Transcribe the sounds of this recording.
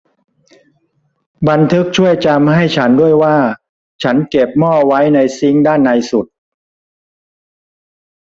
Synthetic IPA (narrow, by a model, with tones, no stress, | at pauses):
ba˧nt̪ʰɯ˦˥k̚t͡ɕʰu˥˩əjt͡ɕa˧mha˥˩jt͡ɕʰa˦˥ndu˥˩əjwaː˥˩ | t͡ɕʰa˦˥nke˨˩p̚mɔː˥˩wa˦˥jna˧jsi˦˥ŋdaː˥˩nːa˧jsu˨˩t̪̚